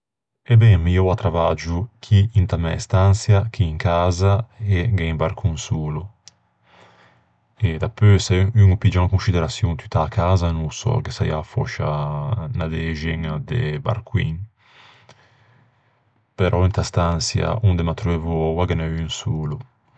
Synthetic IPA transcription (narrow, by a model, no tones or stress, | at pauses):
ɛbɛŋmiɔwat̪ɾavad͡ʒukʰiint̪amɛ̰st̪ansjakiːŋkaːzaeɡɛimbaɾkuŋsuːlu | ed̪apøsɛyŋupid͡ʒaŋkunsid̪eɾasjuŋt̪yt̪aːkaːzanusɔ̰kesajafɔ̰ʃanad̪ɛʒɛŋd̪ḛba̰ɾkwḭŋ | peɾʔɔint̪ast̪ansja̰und̪emat̪ɾøevɔwaɡanɛyŋsuːlu